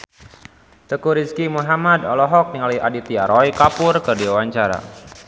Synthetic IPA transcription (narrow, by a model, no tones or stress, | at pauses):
t̪əkuɾiskimuɦamad̪ɔ̰lɔɦɔk̚niŋaliʔadit̪iaɾɔjkapʊrkərdiwawaɲt͡ʃaɾa̰